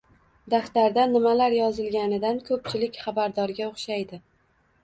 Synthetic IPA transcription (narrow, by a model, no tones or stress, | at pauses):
d̪aft̪aɾd̪anɪmalaɾjɒzɪlɡʲanɪd̪ankʰɵp̚t͡ʃʰɪlɪkʲχɑbaɾd̪ɒɾɡʲaoχʃajd̪ɪ